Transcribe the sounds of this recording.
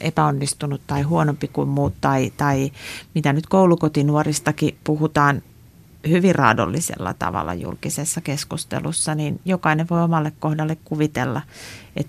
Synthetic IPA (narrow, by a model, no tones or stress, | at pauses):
ʔepæonːist̪unut̪t̪ɑihuonompikuimmuːt̪t̪ɑit̪ɑimit̪ænyt̪koulukot̪inuorist̪ɑkipuhut̪ɑːn | hyʋirrɑ̰ːdo̰lːisḛlːɑ̰t̪ɑ̰ʋɑ̰lːɑ̰jṵlkisesːɑkeskust̪ḛlṵsːɑninjokɑineʋʋoiomɑlːekkohdɑlːekkuʋit̪elːɑḛt̪